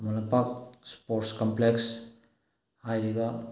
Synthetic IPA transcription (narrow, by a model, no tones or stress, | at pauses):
mulapak̚spoɾʈskampleks | ajɾiba